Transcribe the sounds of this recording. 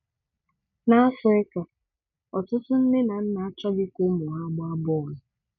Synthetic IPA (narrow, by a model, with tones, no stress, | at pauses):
na˦a˦fɔ˨e˦ka˨ | ɔ˨tʊ˦tʊ˦n̩˦nɪ˦na˨n̩˦na˨a˦t͡ʃɔ˦ɡɪ˦kʊ˦mʊ˨ɦa˦ɡ͡bɔ˦a˦bɔ˦˨lʊ˨